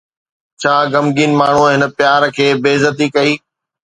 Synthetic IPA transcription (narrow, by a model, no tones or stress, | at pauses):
t͡ɕʰaːɡɐmɡiːnɪ̆maːɳ̤uɦɪnə̆pjaːɾkʰeːbeːzət̪ikɐiː